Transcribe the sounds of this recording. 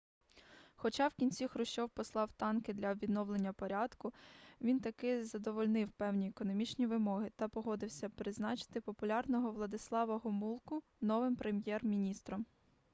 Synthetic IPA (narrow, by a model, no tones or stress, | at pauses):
xɔt͡ʃɑwkʲinʲt͡sʲixɾʊʃt͡ʃɔwpɔslˠɑwt̪ɑnkɪd̪lʲɐʋʲid̪nɔwlˠenʲːɐpɔɾʲɑd̪kʊʋʲint̪ɐkɪzɐd̪ɔʋɔlʲnɪwpɛwnʲiekɔnɔmʲit͡ʃnʲiʋɪmɔɦɪt̪ɐpɔɦɔd̪ɪwsʲɐpɾɪznɑt͡ʃɪ̥t̪ɪpɔpʊlʲɑrnɔɦɔʋlˠɐd̪ɪslˠɑʋɐɦʊmulˠkʊ | nɔʋɪmpɾemjɛrmʲinʲist̪ɾɔm